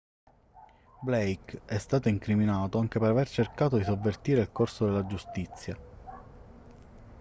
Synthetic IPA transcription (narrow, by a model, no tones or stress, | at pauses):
blejkɛst̪aːt̪oiŋkɾiminaːt̪oaŋk̟epeɾavert͡ʃerkaːt̪od̪isovːert̪iːɾeilkorsod̪elːad͡ʒust̪it̪sːja